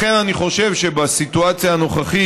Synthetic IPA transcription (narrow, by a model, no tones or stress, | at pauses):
e̞naniχo̞ʃe̞vʃe̞basituat͡sjaːno̞χaχi